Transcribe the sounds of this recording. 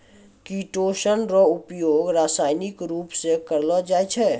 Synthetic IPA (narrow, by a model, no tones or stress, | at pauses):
kiʈoːʃənɾɔʊpjoːɡɾaːsaːɪnɪkɾuːpsekəɾlɔd͡ʒaːjt͡ʃʰɛː